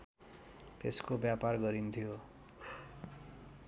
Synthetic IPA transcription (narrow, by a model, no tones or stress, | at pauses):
t̪eskobjaparɡʌɾint̪ʰijo